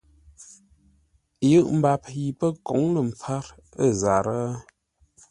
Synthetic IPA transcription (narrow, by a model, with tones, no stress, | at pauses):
jɨ˦ʔm̩˨ba˨pji˨pə˦kɔ˨˦ŋlə˨m˨p͡fa˦ɾ | ə˦˨za˨ɾə˦